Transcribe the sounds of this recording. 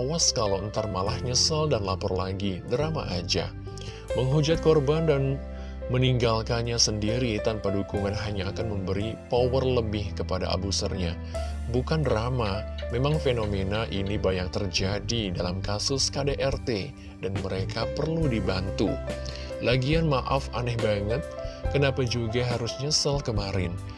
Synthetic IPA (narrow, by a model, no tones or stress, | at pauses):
waskalawənt̪armalahɲəsaldanlapɔrlaɡidəɾama̰ʔad͡ʒa̰ | məŋɦud͡ʒat̪̚kɔrbandan | məniŋɡalkanɲasəndiɾit̪anpadukuŋanɦaɲaːkanməmbəɾipowərləbɪhkəpada̰ʔa̰busə̰rɲa | bukanramamemaŋfenomenaʔinibajaŋt̪ərd͡ʒadidalamkasʊskadeʔɛrt̪e | danməɾekapərludibant̪ṵ | laɡianmaʔafanɛhbaŋət̪̚kənapad͡ʒuɡaɦaɾusɲasəlkəmaɾɪ̰n